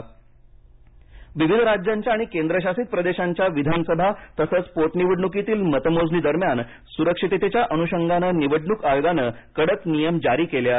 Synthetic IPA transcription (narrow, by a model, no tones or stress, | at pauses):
ʋiʋid̪ʱɾad͡ʑjaɲt͡ɕjaːɽ̃ikend̪ɾəɕasiːt̪̚pɾəd̪eɕaɲt͡ɕjaʋid̪ʱansəbʱat̪əsət͡spoʈniʋəɖɳuk̬it̪iːlmət̪əmod͡zniːd̪əɾmjan | suɾəkʂit̪et̪et͡ɕjaʔənuɕəŋɡanəːniʋəɖɳukajɡanəːkəɽək̪nijəmd͡ʑaɾiːkelja